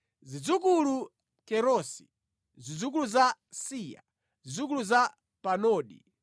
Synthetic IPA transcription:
zid͡zukulu | kɛɾɔsi̥̰ | zid͡zuk̬uluza | siːja̰ | zid͡zuk̬uluza | panɔːɗḭ

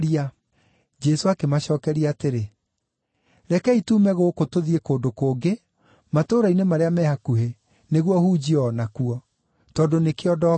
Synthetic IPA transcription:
ɾia | d͡ʒɛsoakemaɕɔːkɛɾiateɾe | ɾɛkɛituːmɛɣokotoðiekoːndokoːɡe | matoːɾainemaɾeamɛhakuɦe | neɣwɔhud͡ʑiɔnakuɔ | tɔdonekeɔdɔ

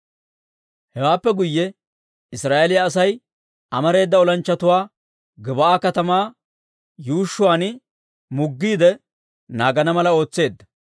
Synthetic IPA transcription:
hɛwaːpːɛɡʊjːɛ | ɪsɾaːʔelɪjɐːs̬ɐj | ɐmɐɾe̞ːd̪ːɐɔlɐnt͡ʃːɐt̪ʊwaː | ɡɪbɐaːkɐt̪ɐmaː | juːʃːʊwaːn | mʊɡːiːd̪ɛ | naːɡɐnɐmɐlɐo̞ːt͡sːe̞ːd̪ːɐ̥

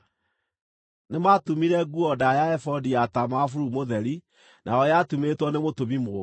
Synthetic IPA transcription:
nematumiɾɛɡuɔdajaɛfɔdiatamafuɾumoðɛɾi | nʔa̰ɔjatumetwɔnemotoβimo

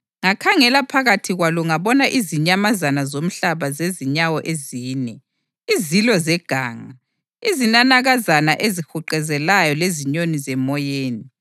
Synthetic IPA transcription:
ŋakʰaŋɛlapʰaɣatʰiɣwaluŋaβɔnaʔiziɲamazanazom̩ɬaβazeziɲawɔʔeziːnɛ | izilɔzɛɡ̥ʱaːŋa | izinanaɣazanaʔezixuǃɛzɛlajɔleziɲonizɛmɔjeːni

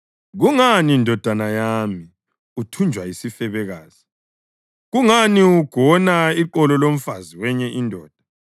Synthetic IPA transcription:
ɣuŋanindʱɔd̥ʱanajami | utʰund͡ʒʱwajisifɛβɛɣaːz̥i | ɣuŋaniuɡ̥ʱɔnaiǃɔlɔlom̩faziwɛɲɛʔindʱɔːd̥ʱḁ

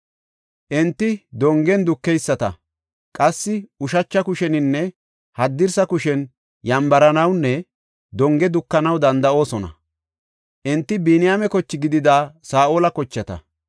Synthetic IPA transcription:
ʔɛnt̪ːɪd̪ɔŋɡɛnd̪ʊkːɛjsːɐt̪ɐ̰ | kʼɐsːɪʊʃɐt͡ʃːɐkʊʃɛnɪnːɛ | hɐd̪ːɪɾsɐkʊʃɛn | jɐmbɐɾɐnɐwnːɛ | d̪ɔŋɡɛd̪ʊkːɐnɐwd̪ɐnd̪ɐʔo̞ːsɔnɐ̰ | ʔɛnt̪ːɪbinɪjamɛkɔt͡ʃːɪɡɪd̪ɪd̪aːsaːʔoːlɐkɔt͡ʃːɐt̪ɐ̰

